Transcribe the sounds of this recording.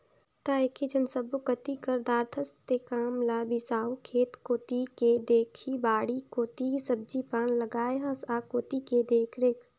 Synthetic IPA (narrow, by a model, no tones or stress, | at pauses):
t̪aːekʰed͡ʒənsəbukət̪ikəɾd̪aːɾt̪ʰəst̪ekaːmlaːbisaːwkʰeːt̪koːt̪iked̪eːkʰibaːɽikoːt̪isəb̚d͡ʒipaːnləɡaːjɦɐsaːkoːt̪iked̪eːkʰɾek